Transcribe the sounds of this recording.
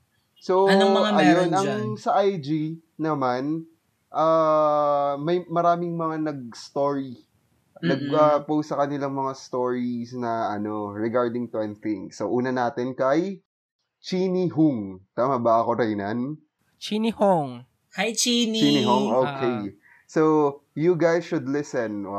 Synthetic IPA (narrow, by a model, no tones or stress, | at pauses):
so̞mɐaɐjonʔɐŋsɐʔajd͡ʒinɐman | ʔaː | mɐjmɐɾaːmɪŋmɐŋanɐɡ̚st̪oːɹi | nɐɡ̚ɐpowstsɐkɐnɪlaŋmɐŋast̪o̞ːɹisnɐɐno̞ɹɛɡaɹd̪ɪŋt̪wɛnθɪŋsoʔuːnɐnaːt̪ɪnkɐj | t͡ʃiːniɦuŋt̪aːmabɐɐko̞ɾɐjnɐn | t͡ʃinihoŋ | hajt͡ʃint͡ʃiniɦoŋʔokʰej | sojʊɡajsʃʊd̪lɪsɛn